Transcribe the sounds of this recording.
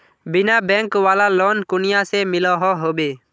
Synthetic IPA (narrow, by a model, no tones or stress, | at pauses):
bɪnaːbɛ̃ːŋkʋaːlaːloːnkʊnɪjaseːmɪlɔɦɔːɦoːbeː